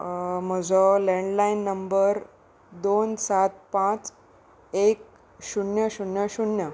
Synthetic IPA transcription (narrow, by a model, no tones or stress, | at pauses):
m̤əd͡zɔlẽɳɖlainːəmbəɾ | d̪onsat̪̚pãt͡s | ek̚ | ɕuɳjəɕuɳjəɕuɳjə